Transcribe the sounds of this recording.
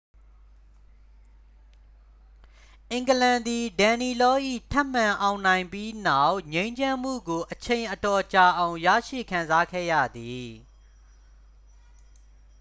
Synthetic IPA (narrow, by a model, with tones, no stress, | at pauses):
ʔɪ̃˨ŋɡəlã˨nd̪i˨dã˨ni˨lɔ˦ʔḭ˦˨tʰɛ˦˨m̥ã˨ʔã˨ʊ̃nã˨ɪ̃mpji˦na˦˨ʊʔɲẽ˦ɪ̃ɲd͡ʑã˦m̥ṵ˦˨ɡo˨ʔət͡ɕʰẽ˨ɪ̃ʔətɔ˨t͡ɕa˨ʔã˨ʊ̃ja̰˦˨ʃḭ˦˨kʰã˨nza˦kʰɛ̰˦˨jä̰˦˨d̪i˨